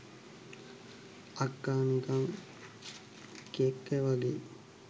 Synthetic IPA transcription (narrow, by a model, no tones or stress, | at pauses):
akːaːnikaŋ | kekːeʋaɡḛː